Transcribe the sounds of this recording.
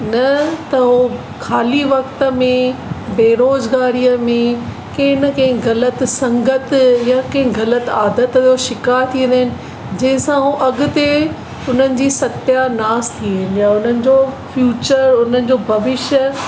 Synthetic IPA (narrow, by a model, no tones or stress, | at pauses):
nɐt̪ɐɦo | kʰaːliʋɐkt̪ə̆mẽbeːɾoːzɡaːɾijəmẽ | kɐ̃ɦɪnəkɐ̃ɦɪ̃ɡɐlət̪sɐ̃ŋɡət̪jakɐ̃ɦɪ̃ɡɐlət̪aːd̪ət̪oʃɪkaːɾt̪ʰĩːə̃nd̪əɦɪnɪ̆ | d͡ʑɐ̃ɦɪ̃sãɦuʔɐɡʊ̆t̪e | ʊn̤ənɪ̆d͡ʑiːsɐt̪janaːst̪ʰĩɦɪnjaʊn̤ənɪ̆d͡ʑoːfjuːt͡ɕəɾʊn̤ənɪ̆d͡ʑoːbʱɐʋɪʃə